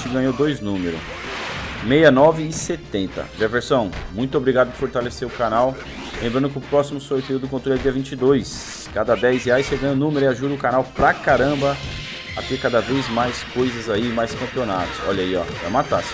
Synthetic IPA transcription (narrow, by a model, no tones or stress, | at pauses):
t͡ʃɪɡɐ̃ɲowd̪ojznũmeɾʊ̰ | mejɐnɔvɪːset̪ẽnt̪ɐ̰ʒɛveɾsɐ̃w̃mũj̃t̪ʊobɾiɡad̪ʊpʊɾfoɾt̪aleseɾʊkanaw | lẽmbɾɐ̃nʊkɪʊpɾɔsimʊsolt̪eʊd̪ʊkõt̪ɾoljɛd͡ʒiɐvĩt͡ʃɪd̪ojs | kad̪ɐd̪ɛjzheajsseɡɐ̃ɲ̃ʊnũmeɾʊɪaʒud̪ɐʊkanawpɾakaɾɐ̃bɐ | ɐ̰t̪eɾkad̪ɐvejzmajskojzɐzaimajskɐ̃pionat̪ʊ̥sɔ̰ʎɐiɔ̰va̰mat̪as